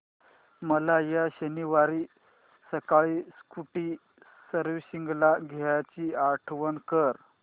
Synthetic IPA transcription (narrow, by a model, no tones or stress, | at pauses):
məlajaɕəniʋaɾi | səkaɭiːskuʈiː | səɾʋiɕiŋɡlaɡʱeɭat͡ɕiːaɾʈʰʋənkəɾ